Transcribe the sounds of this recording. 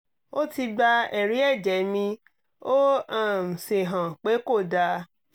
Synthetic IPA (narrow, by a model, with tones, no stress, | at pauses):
o˦ti˧ɡ͡ba˧ɛ˨ɾi˨˦ɛ˦˨d͡ʒɛ˨˦mĩ˧ | o˦a˦˨m̩˨se˨ɦã˨k͡pe˨˦ko˦˨da˧